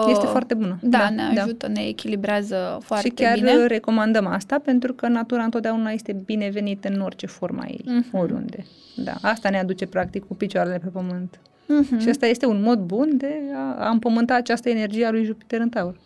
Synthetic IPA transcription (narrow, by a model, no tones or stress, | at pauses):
jet̪efoart̪e̞bunəd̪aaneadd̪ʒaut̪əneːkʲilibɾeazəfoaʃrit̪kʲarire̞ko̞mand̪əmast̪ape̞nt̪̬ɾukənat̪uɾaɨt̪ot̪̚d̪ʲaunaje̞st̪ebine̞ve̞nit̪ɨno̞rt͡ʃe̞fo̞rma̰jḛjo̞ɾʲṵnd̪e̞̰ | d̪a̰ast̪anead̪ut͡ʃe̞pɾak̚t̪ikkupit͡ʃoaɾelepe̞pəmɨnt̪ | ʃiast̪aje̞st̪eunmo̞d̪bund̪e̞aampəmɨnt̪aat͡ʃast̪əene̞rd͡ʒijealujʒupi̥t̪eɾɨnt̪aur